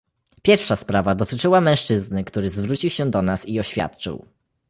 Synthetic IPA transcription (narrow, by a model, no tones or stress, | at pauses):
pʲjɛɾfʂaspɾavad̪ɔt̪ɘt͡ʂɘwamɛ̃w̃ʂt͡ʂɘznɘkt̪uɾɘzvɾut͡ɕiwɕɛd̪ɔnasiɔɕfʲja̰t̪t͡ʂɘ̰w